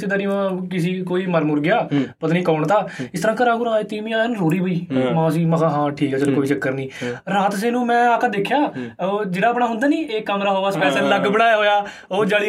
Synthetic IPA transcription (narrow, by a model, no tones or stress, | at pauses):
siːd̪aːnĩːʋãːkɪs̬iːkoːiːməɾmʊɾɡɪjaːpət̪anĩːkɔːɳt̪aːɪst̪əɾãːkəɾaːɡʊɾãːeːt̪iːmĩːãːnũɾoːɾiːɦoːiːmãːs̬ĩːməkaːɦãːʈʰiːkɛːd͡ʒəːnũːkoːʋiːt͡ʃəkːəɾnĩːɾaːt̪s̬eːnũːmɛ̃ːaːkad̪eːkʰːjaːd͡ʒeːɽaːpɳaːɦʊ̃nd̪aːniːeːkəmɾaːɦoːaːspɛːseːləɡbəɽaːjaːɦoːjaː | oːd͡ʒaːɽiː